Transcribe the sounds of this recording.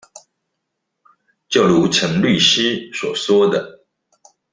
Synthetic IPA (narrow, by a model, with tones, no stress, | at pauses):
t͡ɕjo˥˨˩ʊlu˧˦t͡sʰə˧˦ŋly˥˨ɕi˦swɔ˨˩swɔ˥˦d̪ə˨